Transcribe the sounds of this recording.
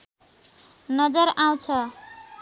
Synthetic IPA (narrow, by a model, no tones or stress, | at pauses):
nʌd͡zʌɾaw̃t͡sʰʌ